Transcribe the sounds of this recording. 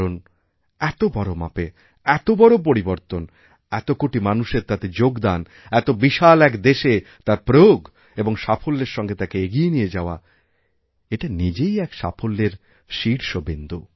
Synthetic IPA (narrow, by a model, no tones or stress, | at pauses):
ɾon | ɛt̪obɔɾoma̰pe | ɛt̪obɔɾop̬oɾiboɾt̪on | ɛt̪okoʈimanuʃeɾt̪at̪ed͡ʑoɡd̪an | ɛt̪obiʃalɛkd̪eʃet̪aɾpɾooɡ | eboŋʃafolːeɾʃɔŋɡet̪akeeɡijenijed͡ʑaoa̰ | eʈanid͡ʑejɛkʃa̰fʰolːeɾ | ʃiɾʃobend̪u